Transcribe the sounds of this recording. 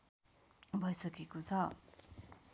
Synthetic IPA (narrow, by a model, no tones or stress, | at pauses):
bʱʌjsʌɡekot͡sʰʌ